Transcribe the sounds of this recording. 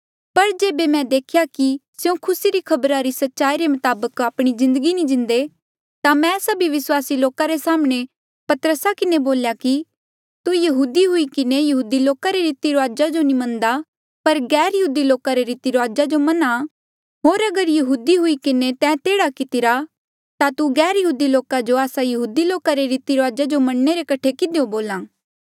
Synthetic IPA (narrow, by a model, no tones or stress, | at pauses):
pɐɾd͡ʒeːbemɛ̃d̪eːkʰjakisjõkʰʊsiɾikʰɐbɾaɾisɐtːʃaːiɾemɐt̪aːbəkaːpɽ̃izɪ̃nd̪əɡinĩd͡ʒɪ̃nd̪e | t̪amɛ̃sɐbʱiʋɪswaːsiloːkaɾesaːmɽ̃e | pɐt̪əɾəsakɪneboːljaki | t̪ujɐɦuːd̪iɦʊikɪnejɐɦuːd̪iloːkaɾeɾiːt̪iɾoaːd͡ʒad͡ʒonimɐ̃nd̪a | pɐɾɡɛːɾjɐɦuːd̪iloːkaɾeɾiːt̪iɾoaːd͡ʒad͡ʒomɐna | ɦoːɾɐɡəɾjɐɦuːd̪iɦʊikɪnet̪ɛ̃t̪eːɽakɪt̪ɪɾa | t̪at̪uɡɛːɾjɐɦuːd̪iloːkad͡ʒoaːsajɐɦuːd̪iloːkaɾeɾiːt̪iɾoaːd͡ʒad͡ʒomɐɽneɾekɐʈʰekɪd̪eõboːlãː